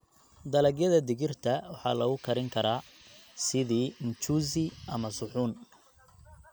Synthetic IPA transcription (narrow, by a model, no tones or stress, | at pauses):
d̪ɐlɛɡjɐðɐd̪ɪɣɪrt̪ʰɐwɑħɑ̰ːlɐɣʊkʰɐɾɪŋkʰɐɾaːsɪðiːnt͡ʃuːzɪʔɐmɐsʊħuːn